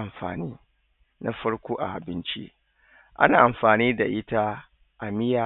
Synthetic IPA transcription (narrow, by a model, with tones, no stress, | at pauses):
a˨mfa̰ː˨niː˦ | na˦fɐ˦ɽkʷoː˦ʔa̰˨ʔa̰˨bɪ˦nt͡ʃḭ˦ | ʔa̰˦naː˨ʔa˨mfaː˨niː˦da˨ʔɪ˦ta˦ | ʔa˨mɪ˦ja˨